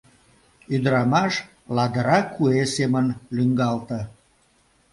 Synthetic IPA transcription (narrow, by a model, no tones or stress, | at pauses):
yd̪əɾɑmɑʃ | lɑd̪əɾɑkuesemənlyŋɡɑlt̪ə